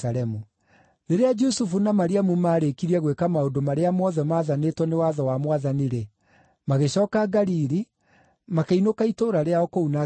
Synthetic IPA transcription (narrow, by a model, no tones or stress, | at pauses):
aɾɛmu | ɾeɾead͡ʒusufunamaɾiamumaːɾekiɾiɛɣwekamaodomaɾeamɔðɛmaːðanetwɔnewaðɔwamwaðaniɾe | maɣeɕɔːkaɡaɾiɾi | makeinokaitoːɾaɾeaɔkouna